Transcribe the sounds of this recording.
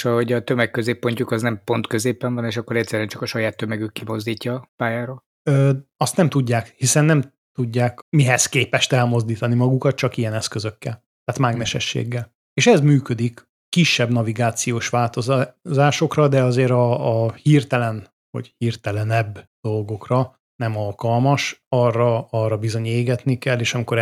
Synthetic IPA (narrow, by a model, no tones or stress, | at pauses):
ʃɒɦoɟɒt̪ømɛkːøzeːpːo̞ɲcukɒznɛmpo̞nt̪køzeːpɛɱvɒneːʃɒkːo̞ɾɛc̚tsɛɾɛnt͡ʃɒkɒʃɒjaːt̪ːømɛɡykːimo̞zd̪iːcːɒpaːjaːɾoːl | øːɒst̪nɛmt̪uɟːaːkhisɛnːɛm | t̪uɟːaːkmiɦɛskeːpɛʃt̪ɛlmo̞zd̪iːt̪ɒnimɒɡukɒt̪̚t͡ʃɒkijɛnɛskøzø̞kːɛl | t̪aːt̪maːɡmɛʃɛ̰ʃːḛːɡːɛl | eːʃɛzmyːkød̪ik | kːiʃːɛbnɒviɡaːt̪sijoːʃʋaːlt̪o̞zzaːʃo̞krɒd̪ɛɒzeːɾɒːhirt̪ɛlɛn | ho̰chirt̪ɛlɛnɛbd̪̥o̞lɡo̞krɒ | nɛmɒlkɒlmɒʃɒrɒɒrːɒbizo̞ɲeːɡɛt̪nikɛlːeːʃɒmiko̞ɾ